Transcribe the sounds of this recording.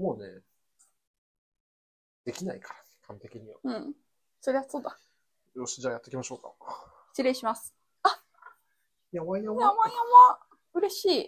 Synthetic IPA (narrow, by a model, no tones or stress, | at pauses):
moːnḛ | d̪̥e̞kʲina̰ikḁɾakʰãnt̪e̞kʲiɲ̟iβa̰ɯ̟̃ɴ | so̞ɾe̞βasoːd̪a | joɕid͡ʑaːjat̪ːe̞kʲimaɕo̞ːka̰̥ | t͡ɕiɾe̞ɕimasɨ̥ | a | jamaiaaβaãβa | ɯ̟ɾe̞ɕiː